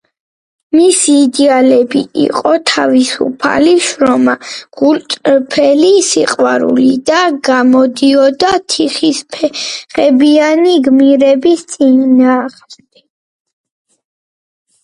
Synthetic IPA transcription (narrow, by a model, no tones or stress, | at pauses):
misiːd̪ɛalɛbḭḭqʼɔt̪ʰavisṵpʰa̰liʃɾɔmaɡ̥ult̪ʼɾpʰɛlisiqʼwaɾṵlid̪aɡamɔd̪iɔd̪at̪ʰiχispʰɛχɛbianiɡmiɾɛbist̪sʼinaːʁmd̪ɛ